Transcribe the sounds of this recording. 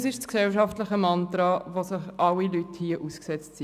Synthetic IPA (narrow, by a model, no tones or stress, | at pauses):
sɪʃsksɛlʃ̬ɑftləχəmɑnt̪ɾɑʋosɪχɑlilythiəʔusksɛt͡stsi